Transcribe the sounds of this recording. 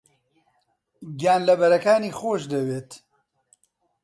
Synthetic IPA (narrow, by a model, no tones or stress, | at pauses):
ɡjaːnlɐbɐɾɐkaːniːxoːʃd̪ɐweːt̪